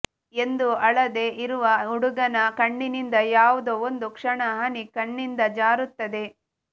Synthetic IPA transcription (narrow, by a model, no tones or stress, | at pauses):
e̞nd̪uɐɭɐd̪e̞ːʔiɾuʋɐuɽuɡɐnɐkɐɳːinind̪ɐjaːʋud̪oond̪ukʂɐɳɐɦɐnikɐɳːind̪ɐd͡ʒaːɾut̪ːɐd̪e̞